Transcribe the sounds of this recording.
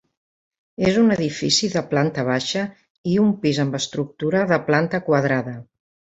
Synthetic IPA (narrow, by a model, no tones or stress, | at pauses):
ezunəðifḭsiðəplant̪əβ̞aʃə | iumpizəmbəst̪ɾuk̚t̪uɾəðəplant̪əkwəðɾaðə